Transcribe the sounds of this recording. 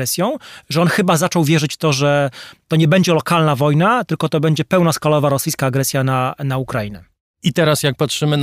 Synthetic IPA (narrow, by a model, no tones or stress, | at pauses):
ɛsʲjɔ̃w̃ʐɛɔnxɘbazat͡ʂɔwvʲjɛʐɘt͡ɕft̪ɔʐɛt̪ɔɲɛbɛɲd͡ʑɛlɔkalnavɔjnat̪ɘlkɔt̪ɔbɛɲd͡ʑɛpɛwnaskalɔvaɾɔsɘjskaːɡɾɛsʲjananaukɾainɛ̰ | it̪ɛɾasjak̚patʂɘmɘn